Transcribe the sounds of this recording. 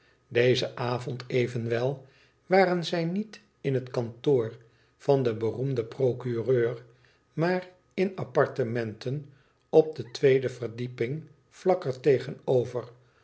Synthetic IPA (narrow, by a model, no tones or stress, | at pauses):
dejzəʔaːvɔntʰejvənʋɛlˠ | ʋaːrənzɛjnit | ɪnɦətkɑntoːr | v̥ɑndəbərumdəprokyrøːr | maːr | ɪnɑpɑɹtəmɛntʰən | ɔb̚dətʋejdəvərdipɪŋ | v̥lɑkəɹtejχənowvər